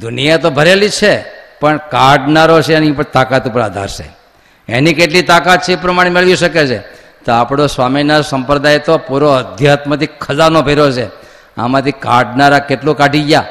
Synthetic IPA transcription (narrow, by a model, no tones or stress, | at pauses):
d̪unijat̪obʱəɾelit͡ʃʰepəɳkaɖnaɾot͡ʃʰeenipəɳt̪akat̪upəɾa̰d̪ʱa̰ɾʃḛ | ḛnikeʈlit̪akat̪̚t͡ʃʰeepɾəmaɽ̃emeɭʋiʃəket͡ʃʰe | t̪oapɽ̃osʋaminasəmpɾəd̪ajt̪opuɾoəd̪ʱjat̪mət̪ikʰəzaɾnobʱeɾot͡ʃʰe | a̰mãt̪ʰikaɖnaɾakeʈlũkaɖʱiɡja